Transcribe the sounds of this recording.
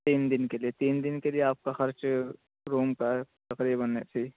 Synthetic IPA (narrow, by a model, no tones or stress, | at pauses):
t̪iːnd̪ɪnkelijet̪iːnd̪ɪnkelijeaːp̚kaxɐɾt͡ʃ | ɾuːmkat̪ɐqɾiːbənesʰiː